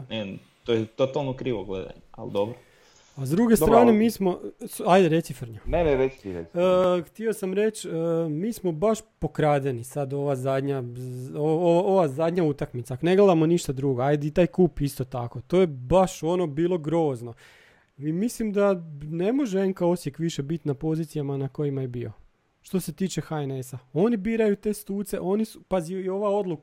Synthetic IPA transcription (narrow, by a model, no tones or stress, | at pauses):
ne | t̪ojet̪ot̪alˠnokɾiːʋoɡlḛd̪a̰ɲea̰ld̪obɾo | azd̪ɾuɡe̞st̪ɾaːne̞miːsmo̞sajd̪eɾe̞sifəɾɲoneneɾet͡ʃ̪i̥t̪iɾḛəxt̪io̞samɾe̞t͡ʃəmiːsmo̞baʃpo̞kɾaːd̪enisad̪o̞ʋazad̪ɲaooʋaʔoʋazad̪ɲaut̪akmit̪sakone̞ɡlˠed̪amo̞niʃt̪ad̪ɾuːɡoajd̪eit̪aːjkuːpist̪ot̪ako̞t̪oːje̞baʃo̞no̞biːlˠo̞ɡɾo̞ːzno̞ | imislimd̪ane̞mo̞ʒeeŋkao̞sjekʋiʃebit̪napo̞ziːt̪sijamanako̞jimajebio̞̰ | ʃt̪o̞se̞t̪iːt͡ʃe̞xaene̞sao̞nibiːɾajut̪e̞ːst̪uːt̪se̞̰ʔo̞nisu̥paziuio̞ʋao̞d̪lˠuk